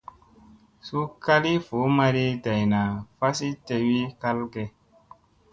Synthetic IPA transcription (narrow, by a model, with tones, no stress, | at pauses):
su˦ka˦li˦fo˨˦ma˧ɾi˦da˨jna˨fa˦si˦te˧wi˦ka˦lɡɛ˨